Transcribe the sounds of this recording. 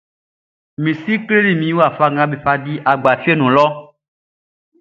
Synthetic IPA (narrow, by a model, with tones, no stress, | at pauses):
mĩ˨si˦kle˦li˦˨mĩ˨˦wu˦a˨fa˧ŋã˨be˨ɸa˨ɖi˦ʔa˨ɡ͡ba˨fi˦e˦nũ˨lɔ˦